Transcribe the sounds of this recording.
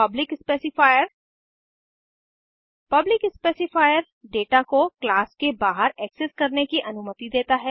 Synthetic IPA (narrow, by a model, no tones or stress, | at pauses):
ɐblɪkɪspeːsɪfaːjəɾ | pɐblɪkɪspeːsɪfʰaːjəɾ | ɖeːʈakoklaːskebaːɦəɾɛːksɪskɐɾnekiʔɐnʊmət̪id̪eːt̪aɦɛː